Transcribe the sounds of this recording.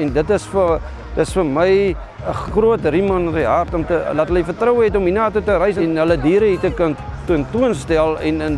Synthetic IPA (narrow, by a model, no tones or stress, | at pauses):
ɛndətəsfə | dəsfərməj | əχruətrimɐniɦɐrtɔmtəlɐtɦələifərtrəwɦɛtɔminɑːtutəɾəjsɛnɦələdiːɾəɦitəkən | tuəntuənstælˠɛnən